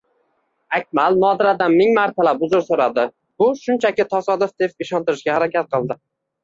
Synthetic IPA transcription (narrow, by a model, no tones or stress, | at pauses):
akʲmalnɒd̪ɪɾad̪anmɪŋmaɾt̪ʰalapʊzʊɾsoɾad̪ɪ | b̥ʊʃʊnt͡ʃʰakʲɪt̪ʰɒsɒd̪ɪfd̪epɪʃɒnt̪ɪɾɪʃɡʲahaɾakʲat̪̚qʰɨlˠd̪ɪ